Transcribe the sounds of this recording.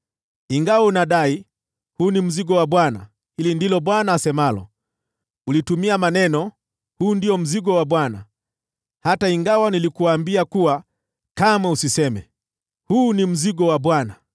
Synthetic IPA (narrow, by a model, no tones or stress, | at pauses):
iŋɡawaunaɗai | huːnim̩ziɡɔwaɓwana̰ | hilindilɔɓwanaːsɛmalɔ̰ | ulitumiamanɛnɔ | huːndiɔm̩ziɠɔwaɓwana̰ | hataiŋɡawanilikuaːmbiakuwa | kamausisɛmɛ | huːnim̩ziɠɔwaɓwana